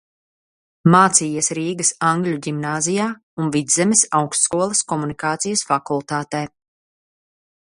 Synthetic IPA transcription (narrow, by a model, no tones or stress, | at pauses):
maːt̪siːjɛsɾiːɡɐsaŋɡlʲuɟimnaːzijaː | unvid̪zɛmɛsawkst̪skuɔlˠɐskɔmunikaːt̪sijɐsfakulˠt̪aːt̪ɛː